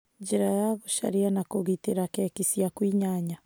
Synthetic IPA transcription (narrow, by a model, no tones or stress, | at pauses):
d͡ʒeɾajaɣoʃa̰ɾianakoɣiteɾakɛːkisiakwiɲaɲa